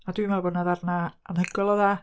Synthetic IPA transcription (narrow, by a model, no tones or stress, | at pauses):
adwimɛlbɔːdnaðarnaanhəɡɔlˠɔða